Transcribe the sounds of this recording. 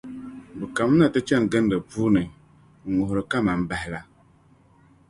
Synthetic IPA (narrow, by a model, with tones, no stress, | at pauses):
bə˨ka˨m˦na˨tə˦t͡ʃa˦˨n˨ɡə˦n˦də˨pu˦nə˨ | ŋo˨hɾə˨ka˦ma˨m̩˨ba˨hla˨